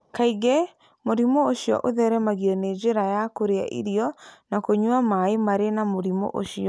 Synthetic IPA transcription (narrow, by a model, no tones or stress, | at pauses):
kaiɣɛ | moɾimooʃiɔ̰ʔoðɛɾɛmaɣiɔned͡ʑeɾajakoɾea̰ʔḭɾiɔnakoɲwamaemaɾenamoɾimo̰ʔo̰ʃiɔ